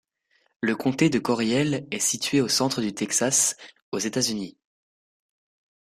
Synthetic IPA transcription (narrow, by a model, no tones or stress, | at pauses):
ləkɔ̃t̪ed̪əkɔʁjɛlɛsit̪ɥeosɑ̃t̪χəd̪yt̪ɛksas | ozet̪azyni